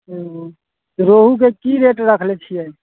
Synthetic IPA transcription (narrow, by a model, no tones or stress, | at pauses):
ɾoːɦuk̬ekiɾeːʈɾəkʰlet͡ʃʰiɛ